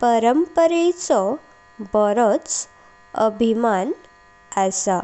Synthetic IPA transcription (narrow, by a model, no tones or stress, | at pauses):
pəɾəmpəɾet͡sɔ | bəɾot͡s | əbʱiman | asa